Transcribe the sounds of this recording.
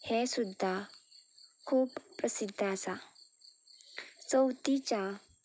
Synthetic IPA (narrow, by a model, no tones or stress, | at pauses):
hesud̪ʱːa | kʰuːpːɾəsid̪ʱːasa | t͡səwt̪it͡ɕa